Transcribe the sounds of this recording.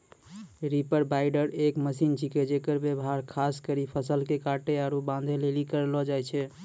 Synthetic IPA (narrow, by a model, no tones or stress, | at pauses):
ɾipəɾbaɪɖəɾekməsint͡ʃʰiked͡ʒekəɾbebɦaɾkʰaskəɾipʰəsəlkekaʈeaɾobãnd̪ʱelelikəɾelɔd͡ʒajt͡ʃʰɛ